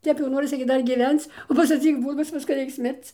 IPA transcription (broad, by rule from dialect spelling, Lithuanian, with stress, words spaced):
ˈtʲɛp jɛʊ ˈnoːrʲɪsʲɪ ɡʲɪ ˈdɐr ɡʲɪˈʋʲɛnt͡s ˈʋoːs ɐtʲsʲɪˈbuːdʊs ˈʋʲɪskɐ ˈrʲɛɪks ˈmʲɪrt͡s